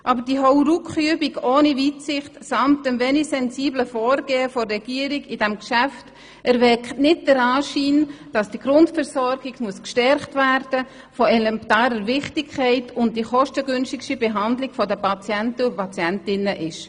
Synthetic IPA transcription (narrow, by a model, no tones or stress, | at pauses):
ʔɑːbəd̥iɦɔwɾukχyəbiɡoːnivitsɪχtsɑmtəmvɛnisɛnsiːbləfɔːɾɡ̥eːəfɔrrɛɡ̥iəɾiɡidɛmkʃæft | æɾvɛkχtnɪt̚d̥əɾɑːʃiːnd̥ɑsd̥iɡɾʊntfɛɾsɔɾɡ̥iɡmuəskʃtɛɾχtvæɾd̥ə | fɔɛlɛmptɑːɾəɾʋɪχtikʰːɛɪtʰʊnt̚d̥iχɔʃtəɡʏnʃtikʃibeɦɑndliɡ̥fɔdəpɑt͡sjæntəʊpʰɑt͡sjɛntɪnəʔɪʃ